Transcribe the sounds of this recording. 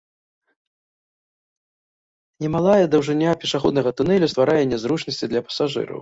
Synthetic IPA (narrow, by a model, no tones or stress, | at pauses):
nʲɛmalˠajɛd̪ɐwʐɨnʲːapʲɛʂaxɔd̪nɐɣɐt̪unɛlʲust̪vaɾajɛnʲːɛzɾut͡ʂnɐsʲt͡sʲid̪lʲɐpɐ̥saʐɨ̰ɾɐ̰w